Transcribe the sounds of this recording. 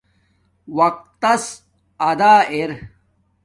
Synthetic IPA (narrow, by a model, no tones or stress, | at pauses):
wɐq̚t̪ːɐs | ɐd̪aːeɾ